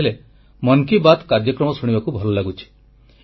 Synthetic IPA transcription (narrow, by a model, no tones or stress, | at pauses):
ele | mɔnkibat̪kaɾjɔkɾɔmɔsuɽ̃ibakubʱɔlɔlaɡut͡ʃʰi̥